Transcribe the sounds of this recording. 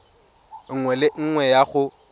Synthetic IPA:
ŋwɛlɪŋ̩ŋwɛjaɣʊ

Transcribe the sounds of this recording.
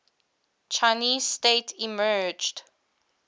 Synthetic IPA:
t͡ʃʰaɪniːzstetʰimɜːd͡ʒd

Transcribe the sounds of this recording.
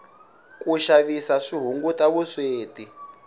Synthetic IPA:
kʼuʃaβisaʂiɦuŋɡutʼaβusweːti

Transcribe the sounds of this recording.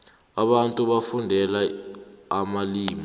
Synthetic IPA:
aɓantʼuɓafundʱɛla | amaliːmi

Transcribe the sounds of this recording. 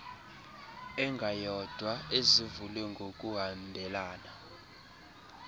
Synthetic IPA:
ɛŋɡʱajɔd̥ʱwaezivulɛŋɡʱok̬ʼuɦandʱɛlaːna

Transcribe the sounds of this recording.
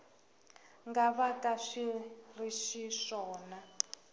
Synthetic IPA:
ŋɡaβakʼaʂiriʃiʂɔːna

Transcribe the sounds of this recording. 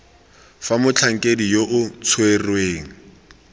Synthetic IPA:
famʊt͡ɬʰaŋ̩kʼedijoʔʊt͡sʰwerweːŋ̩

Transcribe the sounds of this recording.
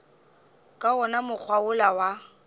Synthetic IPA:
kʼaɔnamʊk͡xʰwaʊlawa

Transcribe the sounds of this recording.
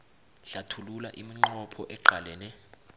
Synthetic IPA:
ɬatʰululaʔimiŋ͡ǃɔpʰɔʔɛǃʱalɛːnɛ

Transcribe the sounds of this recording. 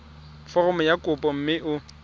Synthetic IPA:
fɔrɔmɔjakʼʊpʼɔm̩mɪʔʊ

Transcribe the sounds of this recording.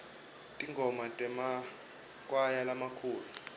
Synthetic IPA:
tʼiŋɡʱɔmatʼɛma | kʼwajalamakʰuːlu

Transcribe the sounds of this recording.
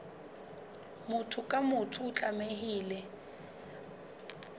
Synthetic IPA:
mʊtʰʊkʼamʊtʰʊːt͡ɬʼamehiːlɛ

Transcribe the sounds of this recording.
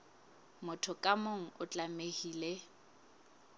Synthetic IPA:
mʊtʰʊkʼamoŋ̩ʊt͡ɬʼamehiːle

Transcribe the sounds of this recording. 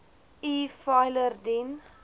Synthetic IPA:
iːfajlərdin

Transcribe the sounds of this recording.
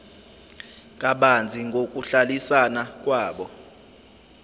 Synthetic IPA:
kʼaɓand͡zʱiŋɡʱok̬ʼuɬalisanak̬ʼwaːɓɔ

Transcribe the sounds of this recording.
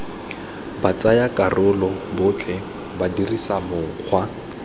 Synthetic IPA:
bat͡sajakʼarʊlɔbʊt͡ɬʰɛ | badirisamʊk͡xʰwa

